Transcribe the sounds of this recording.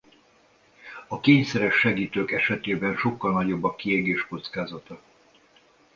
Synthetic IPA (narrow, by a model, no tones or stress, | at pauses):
ɒkeːɲsɛɾɛʃːɛɡiːt̪øːkɛʃɛt̪eːbɛnʃo̞kːɒlnɒɟo̞bːɒkːieɡeːʃko̞t̪skaːzɒt̪ɒ